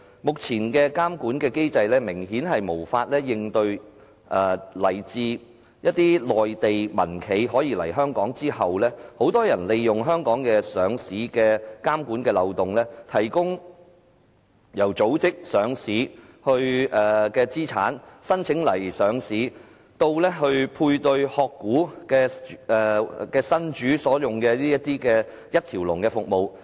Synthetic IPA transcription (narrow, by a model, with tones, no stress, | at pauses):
mʊ˨k̚t͡sʰiː˨˩nkɛː˧kaː˥mkuː˨˥nkɛː˧ke˥jt͡sɐ˧jlɛː˥mɪ˨˩ŋɦiː˨˥nɦɐ˨jmo˨˩wfaː˧t̚lɛː˥jɪ˧ŋt̪ɵ˧ɥ | ʔɛː˨˩lɐ˨˩jt͡siː˧ | jɐ˥t̚t̪iː˥lɔː˨jt̪e˨jmɐ˨˩nkʰe˨˧jɦɔː˨˥jiː˧lɐ̰˨˩jɦœː˥ŋkɔː˨˥ŋt͡siː˥hɐ˨wlɛː˥ho˨˥wt̪ɔː˥jɐ˨˩nle˨jːʊ˨ŋɦœː˥ŋkɔː˨˥ŋkɛː˧sœː˨˧ŋsiː˨˥kɛː˧kaː˥mkuː˨˥nkɛː˧lɐ˨wt̪ʊ˨ŋlɛː˥t̪ʰɐ˨˩jkʊ˥ŋ | jɐ˨˩wt͡so˨˥wt͡sɪ˥k̚sœː˨˧ŋsiː˨˥hɵ˧ɥɛː˨˩kɛː˧t͡siː˥t͡sʰaː˨˥nsɐ˥nt͡sʰɪ˨˥ŋlɐ˨˩jsœː˨˧ŋsiː˨˥ | t̪o˧wlɛː˥ɦɵ˧ɥpʰuː˧jt̪ɵ˧ɥhɔː˧kːuː˨˥kɛː˧ɛ˨kɛː˧sɐ˥nt͡ʃyː˨˥sɔː˨˥jʊ˨ŋkɛː˧liː˥jɐ˥t̚t̪iː˥kɛː˧ | jɐ˥t̪ʰiː˨˩wlʊ˨˩ŋkɛː˧fʊ˨k̚mo˨w